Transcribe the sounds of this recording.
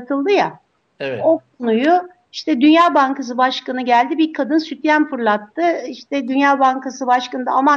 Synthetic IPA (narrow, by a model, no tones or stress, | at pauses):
t̪ʰɯlˠd̪ɯja | o̞kʰo̞nujʊ | iʃt̪ɛd̪ynjaːbaŋkas̬ɯbaʃkanɯɟælʲd̪ibiɾkʰad̪ɯnsyt̪jænfɯɾlˠat̪ːɯiʃt̪ʰɛd̪ynjaːbaŋkasɯbaʃkanɯd̪a̰ama